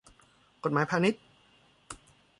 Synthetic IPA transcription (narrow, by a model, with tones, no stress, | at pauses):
ko˨˩t̪̚maː˩˦jpʰaː˧ni˦˥t̪̚